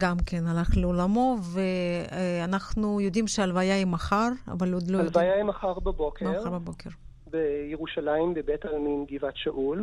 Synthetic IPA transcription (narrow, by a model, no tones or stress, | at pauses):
ɡamkenalaχleolamo̞veanaχnujod̪imʃealvajaimaχaʁa̰valod̪loalvajaimaχaʁbabokʰemʁaɾbabokʰeʁ | bejeʁuʃalaimbebetajamimɡivatʃaʔul